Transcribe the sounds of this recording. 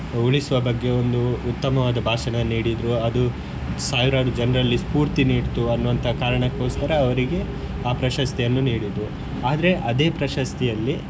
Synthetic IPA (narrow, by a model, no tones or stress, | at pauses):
uɭisuʋɐbɐɡːe̞o̞nd̪uːt̪ːɐmɐʋaːd̪ɐbʱaːʃɐɳɐniːɽid̪ɾuɐd̪u | saːʋiɾaːɾud͡ʒɐnɐɾɐlːispuːɾt̪iniːɖt̪uɐnːuʋɐnt̪ʰɐkaːɾɐɳɐkːo̞ːskɐɾɐːʋɐɾiɡe̞ | aːpɾɐʃɐst̪ijɐnːuniːɽid̪ɾu | aːd̪ɐɾe̞ʔɐd̪e̞ːpɾɐʃɐst̪ʰijɐlːi